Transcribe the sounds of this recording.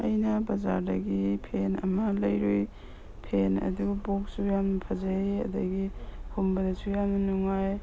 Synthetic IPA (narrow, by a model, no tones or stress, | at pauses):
ɐjnɐbɐza̰ɾdɐɡipʰenɐ̰mɐlɐjɾuj | pʰenɐ̰duɡɐbok̚sujamnɐpʰɐzaeɐ̰dɐɡihʰombɐdɐsujamnɐnuŋaj